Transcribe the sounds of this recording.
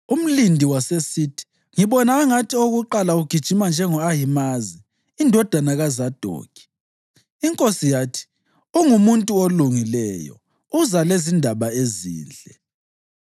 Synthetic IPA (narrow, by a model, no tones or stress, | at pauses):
um̩lindʱiwasesitʰi̥ | ŋiβɔnaːŋatʰioɣuǃalauɡ̥ʱid̥ʒ̥ʱimand͡ʒʱɛŋɔaɦimaziː | ndʱɔd̥ʱanaɣazad̥ʱo̰ːkʰʼi̥ | iŋkʼosijaːtʰi̥ | uŋumuntʼuoluŋilɛjɔ̰ | uzalezindʱaβaezḭːnd͡ɮʱɛ